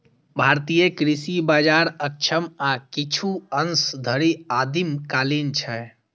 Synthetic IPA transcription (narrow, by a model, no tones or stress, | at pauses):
bʱaɾt̪ijəkɾisibad͡ʒaɾəkt͡ʃʰəmakit͡ʃʰuənsd̪ʱəɾiad̪imkalint͡ʃʰɛ